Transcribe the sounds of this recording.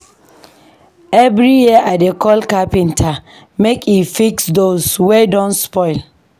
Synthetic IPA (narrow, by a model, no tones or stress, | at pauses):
evɾijiʔadekɔlkapĩntʰa | mekifiksdoswedɔ̃nspɔɪl